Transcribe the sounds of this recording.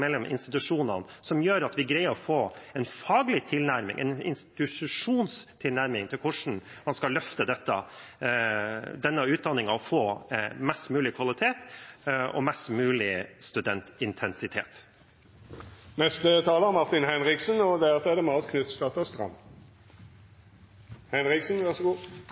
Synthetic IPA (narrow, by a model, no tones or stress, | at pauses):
ɛlːɔmʔɪ̰nst̪ɪt̪ʉʂuːnɑnsɔmjøːɾɑt̪ʋɪɡɾæɪɔfoːɛnfɑːɡlɪt̪ʰɪlnæɾmɪ̰ŋɛ̰nɪ̰nst̪ɪtʉʂuːnst̪ʰɪlnæɾmɪŋt̪ʰɪlkʰʊʂɳ̩ | mɑnskɑlœft̪əd̪ɛt̪ːə̰ | d̪ɛnːəʉːt̪̚d̪ɑnːɪŋɑɔfoːmɛst̪mʉːlɪkʰʋɑlɪt̪ʰeːt̪ | ɔ̰mɛst̪mʉːlɪst̪ʉd̪ɛnt̪ɪnt̪ʰɛnsɪt̪ʰḛːt̪ | nɛst̪ət̪ʰɑːləɑmɑʁt̪ɪnhɛnʁɪksənɔd̪æʁt̪ɛd̪ɛmɑːt̪kʰnʉt̪st̪ɑt̪ɑst̪ʁɑ̰mː | hɛnʁɪksn̩ʋæʁʂəɡuː